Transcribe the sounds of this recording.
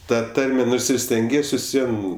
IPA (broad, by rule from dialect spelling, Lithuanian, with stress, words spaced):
ˈtɐ ˈtɐrʲmʲɛ ˈnoːrs ɪr sʲtʲɛŋʲˈɡʲiɛs ʋʲɪs ˈʋʲiɛn